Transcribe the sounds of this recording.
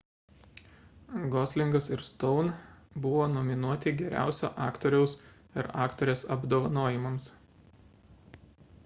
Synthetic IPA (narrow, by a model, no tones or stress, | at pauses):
ɡɔːsʲlʲɪŋɡɐsɪɾst̪ɔʊnbʊʋoːnomʲɪnuɔt̪ʲɪɡʲɛɾʲæ̰ˑʊsʲo̰ːʔɑːkt̪ɔɾʲɛʊs | ɪɾɑːkt̪ɔːɾʲeːsɐbd̪oːʋɐnoːjɪmɐms